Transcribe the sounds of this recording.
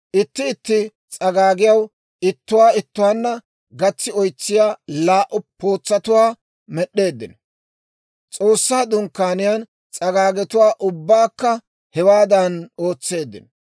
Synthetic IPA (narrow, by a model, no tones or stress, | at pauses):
ʔɪt̪ːɪːt̪ːɪ | t͡sʼɐɡaːɡɪjɐw | ɪt̪ːʊwaːɪt̪ːʊwaːnːɐ | ɡɐt͡sːɪɔjt͡sːɪjaːlaːʔʊpʰo̞ːt͡sːɐt̪ʊwaː | mɛɗːe̞ːd̪ːɪnɔ | t͡sʼo̞ːsːaːd̪ʊŋkːaːnɪjan | t͡sʼɐɡaːɡɛt̪ʊwaːʔʊbːaːkːɐ | hɛwaːd̪ɐno̞ːt͡sːe̞ːd̪ːɪ̰nɔ